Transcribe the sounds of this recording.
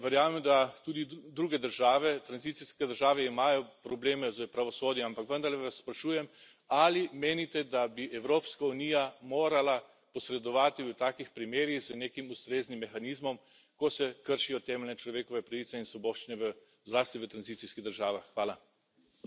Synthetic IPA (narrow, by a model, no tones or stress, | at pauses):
ʋɛɾjaːmɛmd̪at̪uːd̪id̪ɾuːɡɛd̪əɾʒaːʋɛt̪ɾanzit̪siskɛd̪əɾʒaːʋɛimaːjɔpɾɔbleːmɛzəpɾaʋɔsoːd̪jɔampakʋənd̪aɾlɛʋasːpɾaʃuːjɛm | alimeːnit̪ɛd̪abiʔɛwɾoːpskauniːjamoːɾala | pɔsɾɛd̪ɔʋaːt̪iʋət̪aːkixpɾimeːɾjiɣzəneːkimust̪ɾeːznimːɛxaniːzmɔm | kɔsɛkəɾʃijɔt̪ɛːmɛlnɛt͡ʃlɔʋeːkɔʋɛpɾaʋit̪sɛinsʋɔbɔːʃt͡ʃinɛʋə | zlaːst̪iʋət̪ɾanzit̪siskiɣd̪əɾʒaːʋaxːʋaːla